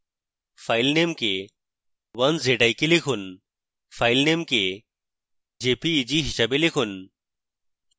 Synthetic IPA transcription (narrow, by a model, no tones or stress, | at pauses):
faːilnemke | wɐnzeʈaikilikʰun | faːilnemke | d͡ʑeːpiːd͡ʑiɦiɕabelikʰun